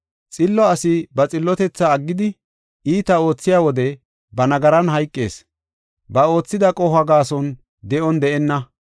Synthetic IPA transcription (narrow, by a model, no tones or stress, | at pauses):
t͡sʼɪlːɔɐsɪbɐt͡sʼɪlːɔt̪ɛt͡sːɐːɡːɪd̪ɪ | iːt̪ɐo̞ːt͡sːɪjaːwɔd̪ɛ | bɐnɐɡɐɾɐnɦɐjkʼːeːs | bɐo̞ːt͡sːɪd̪ɐkʼɔhɐɡaːsɔn | d̪ɛʔɔnd̪ɛʔɛnːɐ